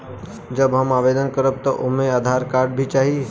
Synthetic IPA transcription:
d͡ʒəbɦɐmaːʋeːd̪ənkəɾəb̚t̪ɔʔʊmẽaːd̪ʱaːɾkaːɾɖ̚bʱit͡ʃaːɦie

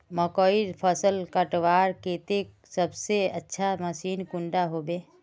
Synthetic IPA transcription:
məkɔiɾpʰəsəlkəʈʋaːɾkeːt̪ek̚ | səbseətːʃʰaməsiːnkʊ̃ɳɖaɦoːbeː

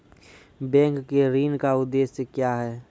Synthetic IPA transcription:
bɛ̃ːŋkːeɾiːnkaʊd̪ːeːsekjaːɦɛː

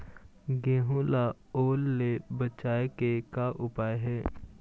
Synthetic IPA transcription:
ɡẽːɦula | oːlːebət͡ʃaːekekaʔʊpaːeɦɛː

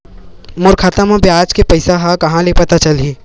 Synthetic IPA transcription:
mʊɾkʰaːt̪amãbʱiaːd͡ʒkepɐɪsaɦakɐɦãlepɐt̪at͡ʃɐlɦiː

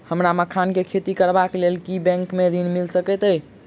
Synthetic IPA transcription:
həmɾaməkʰankekʰet̪ikəɾbaklelkibɛ̃ŋkmed̪inmilsəkɛt̪ə

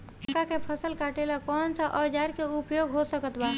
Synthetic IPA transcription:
kakepʰəsəlkaʈelakɔnsəʔəd͡ʒaɾkeupjoɡɦosəkət̪ba

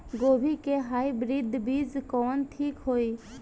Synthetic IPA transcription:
ɡoːbʱikeɦaːibɾɪd̪ʱbiːd͡zkɔːnt̪ʰiːkɦoːiː

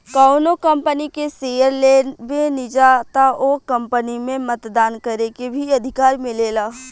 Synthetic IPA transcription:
kaʊnokə̃mpənikesejəɾleːbenɪd͡ʒat̪aʔoːkɐ̃mpənimẽmət̪d̪aːnkəɾekebʱiɐd̪ʱɪkaːɾmɪ̃leːlaː

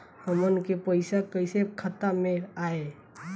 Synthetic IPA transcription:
əmənkepəɪsakəɪsekʰət̪ameaːe

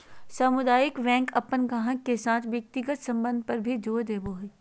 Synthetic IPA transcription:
saːmʊd̪aːjɪkʋɛ̃ːŋkɐpːənɡaɦə̃ːesaːt̪ʰʋjək̚t̪ɪɡət̪sɐ̃mbə̃nd̪̚ʱpɐɾbʱid͡ʒoːd̪eːboːɦeː

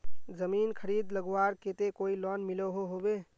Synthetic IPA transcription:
d͡ʒəminkʰəɾid̪ləɡwaɾket̪ekoilɔnmiləɦoɦobe

